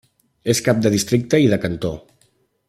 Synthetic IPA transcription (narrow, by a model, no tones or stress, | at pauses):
eskap̚d̪əðist̪ɾik̚t̪əiðəkənt̪o